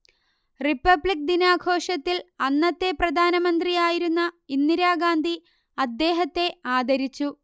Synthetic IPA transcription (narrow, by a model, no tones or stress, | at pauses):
ripːɐbɭik̚d̪inaːɡʰʱo̞ːʂɐt̪ːilɐnːɐt̪ːe̞prɐd̪ʱaːnɐmɐnd̪rijaːjiɾunːɐinːiɾaːɡaːnd̪ʱi | ɐd̪ːe̞ːɦɐt̪ːe̞aːd̪ʱɐɾit͡ɕːu